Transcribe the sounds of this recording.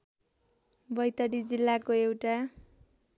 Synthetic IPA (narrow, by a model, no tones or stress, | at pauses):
bʌjt̪ʌɽid͡zilːakoewʈa